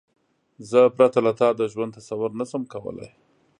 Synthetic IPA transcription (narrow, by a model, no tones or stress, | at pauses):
zəpɾat̪alat̪ɑd̪əʒwand̪t̪asawʊɾnasəmkawə̰la̰j